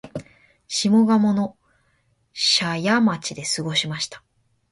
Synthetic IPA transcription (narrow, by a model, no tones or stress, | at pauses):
ɕimo̞ɡamo̞no̞ | ɕajamat͡ɕid̪e̞sɨɡo̞ɕimaɕi̥t̪ḁ